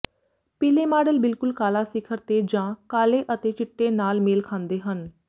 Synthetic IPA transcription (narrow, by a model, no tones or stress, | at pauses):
pɪleːmaːɖəlbɪlkʊlkaːlaːsɪkʰəɾt̪eːd͡ʒãːkaːleːʔət̪eːt͡ʃɪʈːeːnaːlmeːlkʰãːnd̪eːɦən